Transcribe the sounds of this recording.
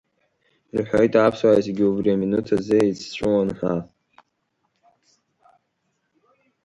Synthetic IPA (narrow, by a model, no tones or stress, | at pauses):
rħʷᶣojtʰapʰswaʕazeɡʲiubriaminutʰazɨit͡sʰt͡ɕʷʰɨwanħʷa